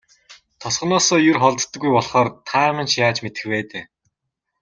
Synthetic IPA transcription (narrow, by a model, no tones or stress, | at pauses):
t̪ʰɔsʁ̥ɞ̆nɔːsɔːjʊrχɔɮt̪ːə̆ɡːujpɔɮχɔːrt̪ʰaːmə̆nt͡ɕjaːt͡ɕmet̪ɘ̥̆xpeːt̪eː